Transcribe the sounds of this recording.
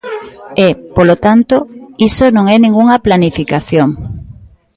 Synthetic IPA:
ɛpolot̪ant̪oisonõŋɛnĩŋɡuŋɐplanifikaθjoŋ

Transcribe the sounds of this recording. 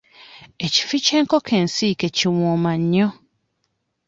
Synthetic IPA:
eci̥fit͡ʃeŋkɔkʰen̩sikeciwɔmaɲɲɔ

